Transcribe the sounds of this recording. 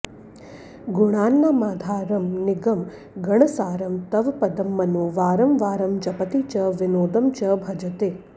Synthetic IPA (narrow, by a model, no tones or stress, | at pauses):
ɡuɳ̃aːnːamaːd̪ʱaːɾɐmniɡɐm | ɡɐɳɐsaːɾɐmt̪ɐʋɐpɐd̪ɐmːɐnuʋaːɾɐmʋaːɾɐmd͡ʒɐpɐt̪it͡ʃɐʋinoːd̪ɐmt͡ʃɐbʱɐd͡ʒɐt̪eː